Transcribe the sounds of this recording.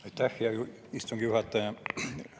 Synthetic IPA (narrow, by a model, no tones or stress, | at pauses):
et̪ːæhːiɑju | ist̪uŋkijuhɑt̪ːɑjɑ